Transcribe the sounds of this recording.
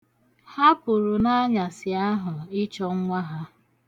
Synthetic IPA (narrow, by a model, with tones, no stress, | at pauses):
ha˦pʊ˨ɾʊ˨na˦ɲa˨sɪ˨a˦ɦʊ˨ɪ˦t͡ʃɔ˦ŋ̩˦ŋʷa˦ɦa˦